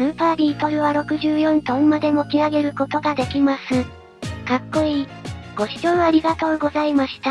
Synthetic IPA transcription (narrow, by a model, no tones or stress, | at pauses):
sɯpaːɾʲiːt̪o̞ɾɯ̟βaɾo̞kɯ̟ʑɨːjõ̞nt̪õmmad̪e̞mo̞kʲiaɡe̞ɾɯ̟ko̞t̪o̞ɡad̪e̞kʲimasɨ | kakːo̞iɡ̥o̞ɕi̥t͡ɕo̞ːaɾʲiɡat̪o̞ːɡo̞zaimaɕi̥t̪a